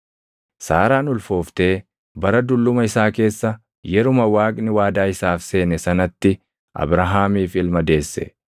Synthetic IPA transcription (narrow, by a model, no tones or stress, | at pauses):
saːɾaːnʊlfoːft̪e̞ː | bɐɾɐd̪ʊlːʊmɐɪsaːke̞ːsːɐ | jɛɾʊmɐwaːkʼnɪwaːd̪aːɪsaːfse̞ːnɛsɐnɐt̪ːɪ | ʔɐ̰bɾɐɦaːmiːfɪlmɐd̪e̞ːsːɛ̰